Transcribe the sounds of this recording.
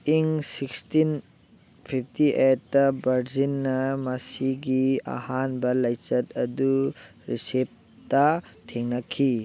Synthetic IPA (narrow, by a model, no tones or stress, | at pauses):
iŋsikstin | pʰipʰtiʔetːɐbɐɾzinːɐmɐsiɡia̰hanbɐlɐjt͡ʃɐtɐduɾisep̚ | tɐtʰeŋnɐkʰi